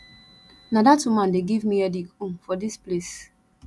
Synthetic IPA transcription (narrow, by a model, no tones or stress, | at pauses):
nadatumãndeɡivmiɛdikũnfɔdisples